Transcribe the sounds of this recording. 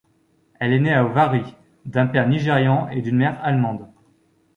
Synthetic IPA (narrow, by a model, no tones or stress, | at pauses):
ɛlɛneaovaʁi | d̪ɛ̃pɛʁniʒeʁjɑ̃ed̪ynmɛʁalmɑ̃d̪